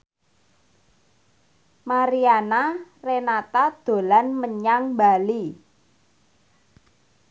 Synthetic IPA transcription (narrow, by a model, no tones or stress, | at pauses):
maɾianarenat̪ad̪̥o̤lanməɲaŋbali